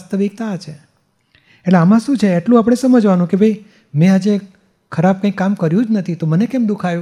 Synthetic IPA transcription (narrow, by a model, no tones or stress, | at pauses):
st̪ʰəʋik̚t̪at͡ʃʰe | eʈleamãʃũt͡ʃʰeːʈlũapəɽ̃esəməd͡ʒʋanũkebʱəi | mẽad͡ʒe | kʰəɾab̚kãĩkːamkəɾjũd͡ʒnət̪ʰit̪omənekemd̪ukʰajũ